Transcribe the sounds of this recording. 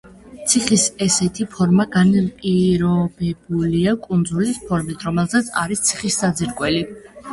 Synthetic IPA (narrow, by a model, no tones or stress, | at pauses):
t̪sʰiχisɛsɛt̪ʰipʰɔɾmaɡanpʼiɾɔbɛbuliakʼund̪zulispʰɔɾmit̪ʰɾɔmɛlˠzat̪sʰa̰ɾist̪sʰiχisːad̪ziɾkʼwɛli